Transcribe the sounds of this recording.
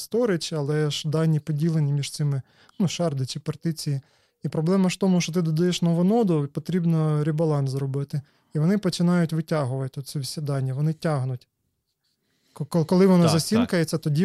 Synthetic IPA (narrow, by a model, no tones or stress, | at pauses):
st̪ɔɾɪt͡ʃɐlˠɛʃɐd̪ɑnʲːipɔdʲilˠenʲimʲiʒt̪sɪmɪ | nuʃɑrd̪ɪt͡ʃɪpɐrt̪ɪt͡sʲiji | ipɾɔblˠɛmɐt̪ɔmuʃɔt̪̬ɪd̪ɔd̪ɐjɛʃnɔʋɔnɔd̪ʊpɔt̪ɾʲibnɔɾʲibɐlˠɑnszrɔbɪt̪ɪ | iʋɔnɪpɔt͡ʃɪnɑjʊtʲʋɪtʲɑɦʊʋɐt̪ʲɪɔt͡sʲsʲɛʋʲisʲɐd̪ɑnʲːɐʋɔnɪtʲɑɦnʊtʲ | kɔlˠɪʋɔnɑzɐsʲinkɐjet͡sʲːɐt̪ɔdʲi